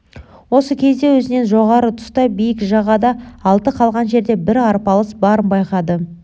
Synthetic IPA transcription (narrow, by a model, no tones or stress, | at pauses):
wo̞səkʲʰe̞zd̪e̞wɵzɪne̞nʒo̞ʁɑɾət̪ʰʊ̥st̪ɑbijɪkʒɑʁɑd̪ɑːlˠt̪əqʰɑlˠʁɑnʒe̞ɾd̪e̞bɪɾɑɾpɑlˠəsbɑɾəmbɑjqɑd̪ə